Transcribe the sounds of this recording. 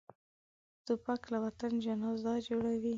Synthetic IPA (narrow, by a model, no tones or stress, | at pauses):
t̪upaklawat̪and͡ʒanɑzd̪ɑd͡ʒoɽawi